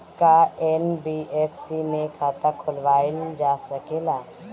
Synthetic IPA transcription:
kaɛːnbiːeːfʰsimẽkʰaːt̪akʰʊlʋaːld͡ʒaːsəkelaː

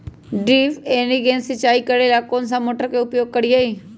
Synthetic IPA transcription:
ɖiːʋeːniɡẽːnsət͡ʃaːikəɾelaːkoːnsãmoːʈəɾkeʊpjoːɡ̚kəɽiaːeː

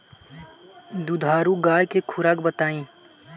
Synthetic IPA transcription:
d̪ud̪ʱaːɾuɡaːjkekʰʊɾaːkbət̪aːĩː

